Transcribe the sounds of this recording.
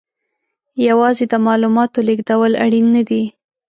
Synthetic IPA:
jawɑzed̪əmɑlumɑt̪oleɡd̪awəla̰ɽinːad̪i

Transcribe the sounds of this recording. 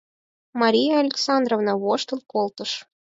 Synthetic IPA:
mɑɾʲijɑɑlʲeksɑnd̪rovnɑβoʃt̪əlˠkolˠt̪əʃ

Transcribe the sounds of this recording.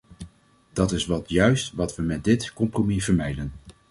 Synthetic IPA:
d̥ɑtɪsʋɑtjœɥstʋɑtʋəmɛt̚dɪtkɔmpromivəɹmɛjdən

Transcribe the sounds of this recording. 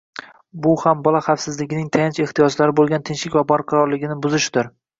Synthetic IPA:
bʊhambɒlˠaχafsɪzlɪɡʲɪnɪŋt̪ʰajant͡ʃe̞ht̪ijɒd͡ʒlaɾɪbolˠɡʲant̪ʰɪnʃlɪkʲvabɒɾqʰɑɾɒɾlɪɡʲɪnɪbʊzɪʃd̪ɪɾ

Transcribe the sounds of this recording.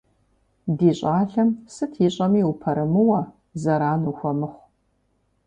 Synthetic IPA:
diːɕʼaːɬɐmsɨtʰiɕʼɐmiːwupʰɐɾɨmɨwɐ | zɐɾaːnuːxʷɔmɨχʷ

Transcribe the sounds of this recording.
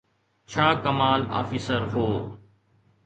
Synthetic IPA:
t͡ʃʰaːkəmaːla̰ːfiːsəɾɦoː

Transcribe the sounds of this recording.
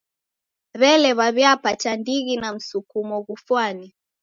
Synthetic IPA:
ɾɛlɛβaβjapatandiɣinam̩sukumɔɣufwani

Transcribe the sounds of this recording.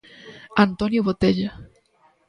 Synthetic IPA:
ant̪onjuβot̪eʎa

